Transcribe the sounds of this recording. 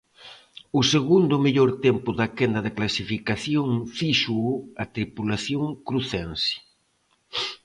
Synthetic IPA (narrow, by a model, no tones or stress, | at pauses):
ʊseɣund̪ʊmeʎoɾt̪ɛmpʊðɐkɛnd̪ɐðɪklasifikaθjoŋfiʃuat̪ɾipulaθjoŋkɾuθɛnsi̥